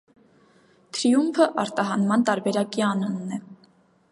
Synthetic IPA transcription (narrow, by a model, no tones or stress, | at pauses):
t̪ʰɾiumpʰəʔɑɾt̪ɑɦɑnmɑnt̪ɑɾbɛɾɑkiɑnunnɛ